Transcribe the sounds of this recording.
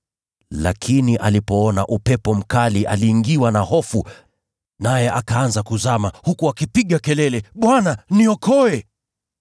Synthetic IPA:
la̰kʰiniʔalipɔɔnaʔupɛpɔm̩kaliʔa̰liːŋɡiwanahɔfu | najɛʔakaanzakuzamahukuakipiɠakɛlɛlɛɓwananiɔkʰɔɛ

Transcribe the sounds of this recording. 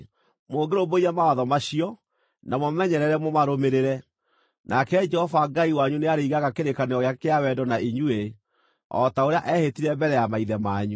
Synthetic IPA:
moːɡeɾomoiamawaðɔmaɕiɔ | namɔmɛɲɛɾɛɾɛmɔmaɾomeɾeɾɛ | nʔakɛd͡ʒɛhɔvaɡaiwaɲuneaɾeiɣaɣakeɾekaneɔɣeakeawɛdɔnaʔiɲue | ɔ̰taoɾeaʔɛhetiɾɛmbɛɾɛjamaiðɛmaːɲu

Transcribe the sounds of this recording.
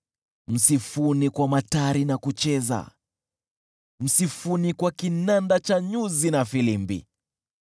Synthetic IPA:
m̩sifunikwamataɾinakut͡ʃɛza̰ | m̩sifunikwakinandat͡ʃaɲuzinafilimbḭ

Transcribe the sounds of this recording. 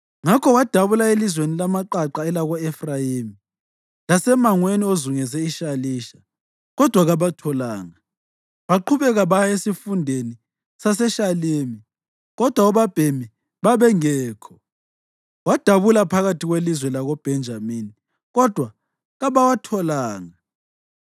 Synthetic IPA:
ŋakʰɔwad̥ʱaβulaelizwenilamaǃaǃaɛlaɣɔɛfrajeːmi | lasɛmaŋweniozuŋɛzɛiʃaliːʃa | ɣɔd̥ʱwaɣaβatʰɔlaːŋa | βaǃʰuβɛɣaβajaesifundʱeni | sasɛʃaleːmi | ɣɔd̥ʱwauβab̥ʱemi | βaβɛŋɛːkʰɔ̥ | wad̥ʱaβulapʰaɣatʰiɣwelizwɛlaɣɔb̥ʱɛnd͡ʒʱamini | ɣɔd̥ʱwa | ɣaβawatʰɔlaːŋa

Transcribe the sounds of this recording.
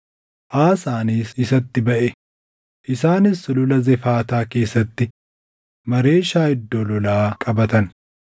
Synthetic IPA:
ʔaːsaːniːsɪsɐt̪ːɪbɐʔɛ | ʔɪsaːnɪsːʊlʊlɐzɛfaːt̪aːke̞ːsːɐt̪ːɪ | mɐɾe̞ːʃaːhɪd̪ːoːlɔlaːkʼɐbɐt̪ɐn

